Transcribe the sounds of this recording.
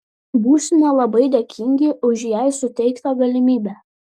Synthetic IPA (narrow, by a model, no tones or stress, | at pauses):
buːsʲɪmʲɛlˠɐbɐɪd̪ʲɛkʲʰɪŋʲɡʲɪʔʊʃjɛɪsʊt̪ʲɛɪkt̪ɐɡɐlʲɪmʲiːbʲæː